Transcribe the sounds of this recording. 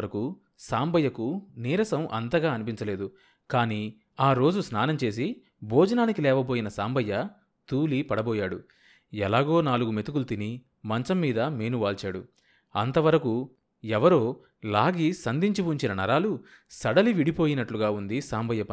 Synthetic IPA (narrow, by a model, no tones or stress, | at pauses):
ɐɾɐku | saːmbʱɐjːɐkuniːɾɐsɐmʔɐ̰nt̪ɐɡaːɐnipiɲt͡ʃɐle̞ːd̪u | kaːniː | aːɾo̞ːd͡ʒusnaːnɐmt͡ʃe̞ːs̬i | bʱɔːd͡ʒɐnaːnikilɛːʋɐbo̞ːjinɐsaːmbʱɐjːɐ | t̪uːlipɐɽɐbɔːjaːɽu | ɛlaːɡo̞ːnaːluɡume̞t̪ukulut̪ini | mɐɲt͡ʃɐmːiːd̪ɐmeːnuʋaːlt͡ʃaːɽu | ɐ̰nt̪ɐʋɐɾɐku | ɛʋɐɾoː | laːɡisɐnd̪ʱiɲt͡ʃipuːɲt͡ʃinɐnɐɾaːlu | sɐɽɐliʋiɽipo̞ːjinɐʈluɡaːund̪isaːmbʱɐjːɐpɐ